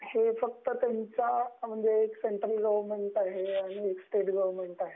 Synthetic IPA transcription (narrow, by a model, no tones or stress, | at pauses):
hefək̚t̪ət̪jaɲt͡sam̤əɳd͡zeːkseɳʈɾəlɡəʋɾmeɳʈaɦeaɽ̃ieksʈeʈɡəʋəmeɳʈaɦe